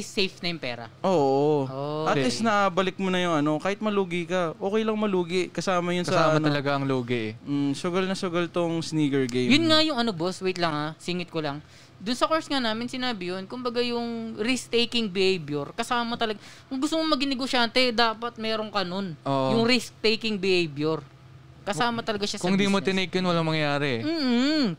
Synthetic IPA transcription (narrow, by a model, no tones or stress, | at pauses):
sejfnɐjʊŋpɛ̰ːɾɐ̰ʔoːʔʔoʔoat̪ːɪsnɐʔaːbɐlɪk̚monɐjʊŋɐno̞kaːhɪt̪̚mɐluːɡɪkɐʔoːkɛjlɐŋmɐluːɡɪʔkɐsaːmɐjʊnkɐsɐaːɐmɐnɐlɐɡaʔɐŋloːɡɪm̩sʊɡɐlnɐsʊɡɐlt̪oŋsniːɡɛɹɡejjʊnŋɐjʊŋʔɐnoboswejt̪̚lɐŋasiŋɪt̪̚kolɐŋ | d̪ʊnsɐkoɹsŋanaːmɪnsɪnaːbɪjonkʊmbɐɡajʊŋɾist̪ejkɪŋbɪhejbjɛɾkɐsaːmɐt̪ɐlɐɡaʔɐŋɡʊst̪omomɐɡɪnɛɡoʃaːnt̪ɛd̪aːpɐt̪̚mɛːɾoŋkɐno̞nʔoːʔjʊŋɾist̪ejkɪŋbɪhejbjɛɾ | kɐsaːmɐt̪ɐlɐɡaʃaskʊŋɪ̃nd̪imot̪ɪnɛjkjonwɐlaŋmɐŋjɐjaːɾɛm̩ː